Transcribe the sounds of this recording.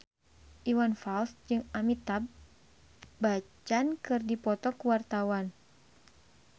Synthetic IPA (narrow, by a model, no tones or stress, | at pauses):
ʔiwanfalsd͡ʒɨŋamit̪abː | at͡ʃankɨrdipɔt̪ɔkuwart̪awan